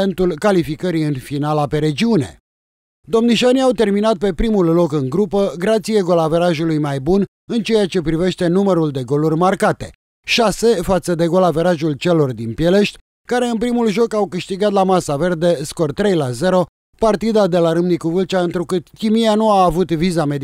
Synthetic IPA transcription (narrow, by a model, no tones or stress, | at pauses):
ent̪ulkalifikəɾiɨnfinalape̞ɾe̞d͡ʒiune̞̰ | d̪o̞mniʃaniawt̪e̞rminat̪̚pe̞pɾimulːo̞kɨŋɡɾupəɡɾat̪sieɡo̞lave̞ɾaʒulujmajbun | ɨnt͡ʃe̞jat͡ʃe̞pɾive̞ʃt̪e̞numəɾuld̪e̞ɡo̞lurʲmarkat̪e̞̰ | ʃase̞fat̪səd̪e̞ɡo̞lave̞ɾaʒult͡ʃe̞lo̞rd̪inpje̞le̞ʃt̪ʲ | kaɾe̞ɨnpɾimulʒo̞kawkɨʃt̪iɡat̪lamasave̞rd̪e̞sko̞rt̪ɾe̞jlaze̞ɾo̞ | part̪id̪ad̪e̞laɾɨmnikuvɨlt͡ʃaɨnt̪ɾukɨt̪kʲimijanuaːvut̪vizame̞d̪